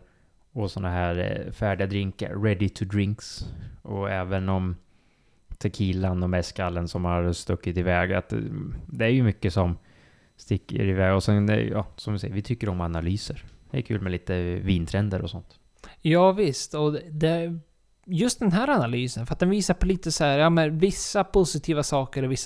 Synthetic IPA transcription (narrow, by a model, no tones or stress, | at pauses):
ɔsɔnːaɦæːɾfæːɖɪad̪ɾɪŋka̰ɾːɛd̪ɪt̪ʰʊd̪ɾɪŋksɔɛːvənɔm | t̪ʰɛkʰiːlanɔmɛskalːənsɔmhaɾst̪ɵkːɪt̪ɪvɛːɡa̰t̪d̪ɛæɾjɵmʏkːəsɔm | st̪ɪkːə̰ɾɪvɛːɡɔsɛn̰jɑ̰ːsɔmvɪsɛ̰jəvɪt̪ʰʏkːəɾɔmanalyːsəɾd̪ɛɛ̰kʰʉ̟ːlmɛliːt̪əviːnt̪ʰɾɛnd̪əɾɔsɔnt̪ | jɑːvɪst̪ɔd̪ɛ | jɵst̪̚d̪ɛnɦæːɾanalyːsənfœɾat̪̚d̪ɛnviːsaɾpʰɔliːt̪əsæːɾjɑːmɛnvɪsːapʰʊsɪt̪ʰiːvasɑːkəɾɔvɪsː